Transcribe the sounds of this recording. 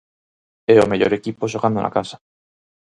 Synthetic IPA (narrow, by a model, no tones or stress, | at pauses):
eomeʎo̰ɾe̞kipoʃ̬oɣand̪onʔa̰kasḁ